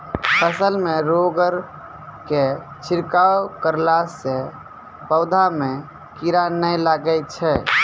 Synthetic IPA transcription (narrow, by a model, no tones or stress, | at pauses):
pʰəsəlmeɾoɡəɾ | ke | t͡ʃʰiɾkawkəɾlase | pəʊd̪ʱame | kiɾanəjlaɡət̪̚t͡ʃʰɛ